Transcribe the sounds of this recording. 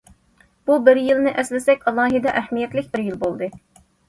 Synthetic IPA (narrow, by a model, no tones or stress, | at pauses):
b̥ubɪɾjilnɪʔɛslɪsɛkʲɑlˠɑːɦɨd̪ɛʔɛhmijɛt̪lɪkʲbɪɾjilˠbolˠd̪ɨ